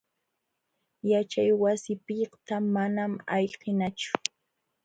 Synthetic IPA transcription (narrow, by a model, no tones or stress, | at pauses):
jat͡ʃajwasɪpɪqt̪amanamaʎqɪnat͡ʃʊ̥